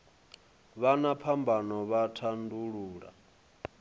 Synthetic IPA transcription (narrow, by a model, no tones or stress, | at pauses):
βanapʰambʱanɔβatʰanduɺuːɺa̰